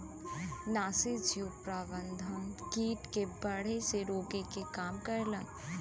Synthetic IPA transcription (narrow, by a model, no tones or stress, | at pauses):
naːsɪd͡ʒjupɾaːbə̃nd̪ʱənkiːʈkebɐɽ̤eseɾoːkekekaːmkɐɾlən